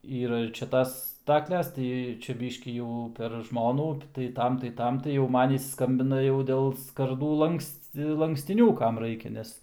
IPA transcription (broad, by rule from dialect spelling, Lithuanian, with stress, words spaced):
ˈiːrɐ ɪr t͡ʃʲɛ ˈtɐs ˈstɑːklʲɛs ˈtɐɪ ˈt͡ʃʲɛ ˈbʲɪʃʲkʲiː jɛʊ pʲɛr ˈʒmoːnuː tɐɪ ˈtɐm tɐɪ ˈtɐm tɐɪ jɛʊ ˈmɐn ˈɪs ˈskɐmʲbʲɪnɐ jɛʊ ˈdʲeːlˠ skɐˈrduː ˈlˠɐŋksʲtʲɪ lˠɐŋksʲtʲɪˈnʲuː ˈkɐm ˈrɐɪkʲɛ ˈnʲɛs